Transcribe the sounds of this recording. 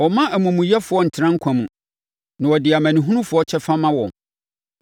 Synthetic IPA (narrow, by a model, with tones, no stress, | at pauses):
wɔ˨mã˦ʔæ˨mũ˨mũ˨jɛ˦fʊ˨ɔ˦n̩˨tʰɪ˨ɾã˦ŋ̩˦kʰã˨mũ˨ | nã˨wɔ˨dɪ˨a˨mæ̃˨nĩ˨ɦũ˦nũ˦fʊ˨˦ɔ˦t͡ɕʰɛ˦fa˦mã˦wɔ̃˨